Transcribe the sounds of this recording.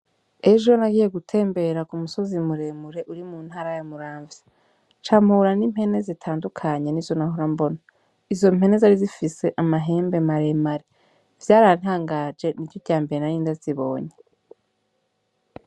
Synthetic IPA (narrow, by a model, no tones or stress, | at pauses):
e̞ʒo̞naɡiːje̞ɡutʰe̞ːmbe̞ɾakumuso̞zimuɾe̞muɾe̞ʔuɾimuːn̥haːɾajamuɾaːɱvje̥ | t͡ʃaːm̥huɾanim̥he̞ne̞zitʰaːndukʰaɲe̞nizonaɦoɾambo̞na | izo̞m̥he̞ne̞zaɾizifise̞ʔamaɦe̞ːmbe̞maɾe̞maɾe | vjaːɾan̥haːŋɡad͡ʒe̞niɾjoɟaːmbe̞ɾenaɾiːndaziβo̞ːɲe̞